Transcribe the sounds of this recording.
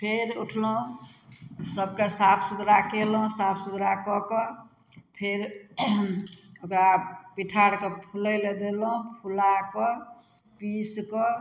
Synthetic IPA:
pʰeɾuʈʰlɦũ | səbkesapʰsud̪ɾakelũsapʰsud̪ʱɾakɔkɔ | pʰeɾ | okɾapiʈʰaɽkepʰulɛled̪elũpʰulakɔ | piskɔ

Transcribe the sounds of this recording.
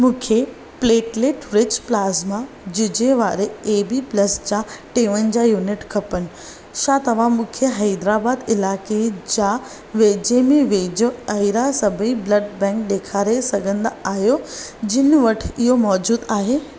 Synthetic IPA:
mũːkʰe | pleːʈleːʈɾɪt͡ɕplaːzma | d͡ʑʊd͡ʑeʋaːɾeeːbiːplɐsd͡ʑaʈeːʋənɪ̆d͡ʑaːjuːnɪʈkʰɐpənɪ̆ | ʃaːt̪ɐʋ̤ãmũːkʰeɦɐːd̪ɾaːbaːd̪ɪlaːked͡ʑaː | ʋeːd͡ʑeːmẽʋeːd͡ʑoɐɪɾasɐbʱiblɐɖbɛ̃ːk̚ɗ̪eːkʰaːɾesɐɡʱə̃nd̪aaːɦijod͡ʑɪn̆ʋɐʈʰɪɦomɔːd͡ʑuːd̪aːɦeː

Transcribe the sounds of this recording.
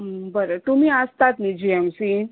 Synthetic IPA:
bəɾət̪um̤iːast̪at̪nid͡ʑiɛmsi

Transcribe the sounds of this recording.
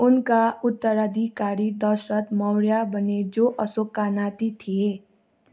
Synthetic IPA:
ʊnkaʊt̪ːəɾad̪ʱikaːɾid̪əʃət̪mɔɾjabəned͡ʒoːʔəsokaːnaːt̪it̪ʰie

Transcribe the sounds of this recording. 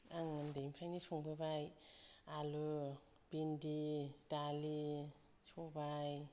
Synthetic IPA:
aŋandejmpʰɾajnisɔŋbɯbajalɯ | b̥inditali | sɔbaj

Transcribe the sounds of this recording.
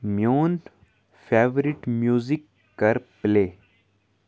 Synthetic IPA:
mjoːn | feːʋɾɪʈmjuːzikː | ɐɾpleː

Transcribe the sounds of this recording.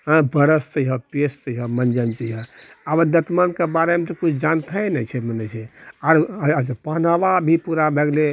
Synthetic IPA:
ɦə̃bəɾəst͡ʃəiɦɔpest͡ʃəiɦɔmənd͡ʒənt͡ʃəiɦɔabəɾd̪ət̪mənkebaɾemet̪ɔkut͡ʃʰd͡ʒant̪ʰəjnɛt͡ʃʰɛmənɛt͡ʃʰɛaɾd͡ʒpəɦnaʋabʱipuɾabʱeɡle

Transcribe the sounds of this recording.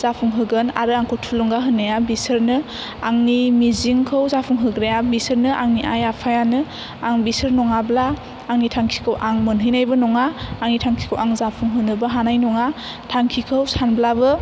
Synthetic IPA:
z̥apʰuŋɦɯɡɯna̰ɾɯaŋkʰɔtʰuluŋɡaɦɯnːɯjabisɯɾnɯ | aŋnimiziŋkʰɯwzapʰuŋɦɯɡɾejabisɯɾnɯʔaŋniʔajapʰajanɯ | aŋbisɯɾnɔŋablaː | ŋnitʰaŋkʰi̥kʰɯwʔaŋmɯnɦɯjnajbɯnɔŋaːŋnitʰaŋkʰi̥kʰɯwʔaŋzapʰuŋɦɯnɯbɯɦanajnɔŋa | tʰaŋkʰikʰɯwsanblabɯ

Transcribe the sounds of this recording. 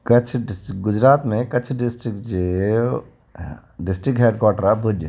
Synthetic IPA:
kɐt͡ʃʰɖɪsɡʊd͡ʒɾaːt̪mẽkɐːt͡ʃʰɖɪsʈɾɪkd͡ʒe | ɖɪsʈɾɪk̚ɦeːɖkwaːʈəɾabʱud͡ʒ

